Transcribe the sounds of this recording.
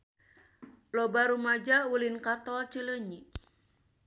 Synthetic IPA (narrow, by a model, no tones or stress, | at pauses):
lɔbaɾumad͡ʒaulinkat̪ɔlt͡ʃələɲi